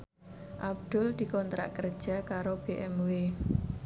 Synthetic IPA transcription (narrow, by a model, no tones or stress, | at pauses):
ʔab̚d̪̥ʊld̪̥i̤kɔnt̪ɾa̰ʔkərd̥ʒ̥a̤kaɾob̥eʔɛmwe